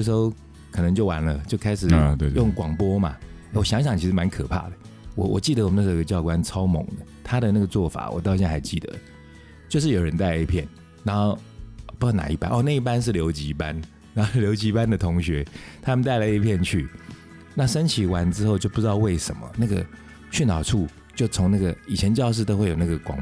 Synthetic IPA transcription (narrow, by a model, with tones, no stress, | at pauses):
ʂ̬̩˧˥xo˥˧ʊ | kʰə˨˩nɤ˧˦ŋt͡ɕjo˥˩ʊwa̰˧˦nlə˨t͡ɕjo˥˧ʊkʰa˥ɪʂɻ̩˨˩˧jʊ˥˨˩ŋkwɑ˨˩ŋpwɔ˥ma̰˨˥˩ | wɔ˨˩ɕjɑ˧˥ŋɕ̬ɑ˨˩ŋt͡ɕʰi˧˥ʂɻ̩˥˩ma˧˦nkʰə˨˩pʰa̰˥˩d̪ə˩ | wɔ̰˨˩wʔɔ̰˨˩t͡ɕi˥˩d̪ə˨wɔ˨mə˦n˥˩˧ɡə˧t͡ɕjɑ˥˧ʊkwa˦nt͡sʰɑ˦˥ʊmo̰˨˦ŋd̪ə˩t̪ʰa˥d̪ə˨na˥˩ɡə˩t͡swɔ˥˩fa̰˨˩˦wɔ̰˨˩t̪ɑ˥˧ʊɕjɛ˥˧nxa˧˥˩ɪt͡ɕi˥˩d̪ə̰˨˩ | t͡ɕjo˥˧ʊʂɻ̩˥˩jo˨˩ɻə˧˦nt̪a˥ɪ˧i˧˥˩pʰjɛ˥˩n | na˧˥nxo˥˩ʊ˨˩pu˧˥t͡ɕɑ˥˩na̰˨˩i˥˩pa̰˦nʔɔ˥˧˦na˥˧i˥˩p̬a˥˦nʂ̬ɻ̩˥˩ljo˧˥ʊt͡ɕi˧˥˧pa˦n | na˧˦nxo˥˩ljo˧˥ʊt͡ɕi˧˥˧pa˦nd̪ə˨t̪ʰʊ˧˥ŋɕɥɛ˧˥t̪ʰa˥mə˨nt̪a˥ɪlə˨˧i˥pʰjɛ˥˧nt͡ɕʰy˥˩ | na˥˨ʂə˥nt͡ɕʰi˨˥wa˧˦nʈ͡ʂɻ̩˥xo˥˧ʊt͡ɕjo˥˧ʊpu˥˩ʈ͡ʂɻ̩˥t̪ɑ˥˧ʊwe˥˩ɪʂə̰˨˩nmə̰˨˩na˥˩ɡə̰˩ | ɕy˥nt̪ɑ˨˩ʊʈ͡ʂʰu˥˩ | t͡ɕjo˥˩ʊt͡sʰoʊ˧˥ŋna˥˩ɡə˩i˨˩t͡ɕʰjɛ˧˦nt͡ɕjɑ˥˧ʊʂ̬ɻ̩˥˩t̪o˥ʊwe˥˩ɪjo˨˩na˥˩ɡə˩kwɑ̰˨˩ŋ